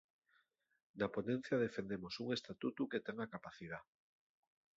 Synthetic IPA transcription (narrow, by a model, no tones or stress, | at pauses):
naponẽn̟θjaðefend̪emosuŋest̪at̪ut̪uket̪eŋakapaθið̞a